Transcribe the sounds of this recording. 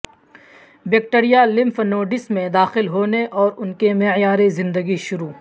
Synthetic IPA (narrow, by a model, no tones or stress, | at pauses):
bek̚ʈeɾijalɪ̃mfnoːɖɪsmẽd̪aːxɪlɦoːneʔɔːɾʊnkemejaːɾizɪ̃nd̪əɡiʃʊɾuː